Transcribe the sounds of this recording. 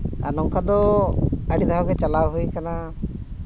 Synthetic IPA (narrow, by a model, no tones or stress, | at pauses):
a̰ɾnɔŋkad̪ɔ | əɖid̪aɦɔɡɛt͡ʃalawɦujkana